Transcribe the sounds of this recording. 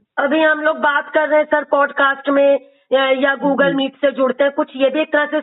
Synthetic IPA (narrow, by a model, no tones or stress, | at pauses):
ɐbʱiɦɐmloːɡ̚baːt̪kɐɾːɐɦɛ̃sɐɾpɔːɖkaːsʈmẽ | jaɡuːɡəlmiːʈsed͡ʒʊɽt̪eɦɛ̃kʊt͡ʃʰjebʱieːk̚t̪ɐɾase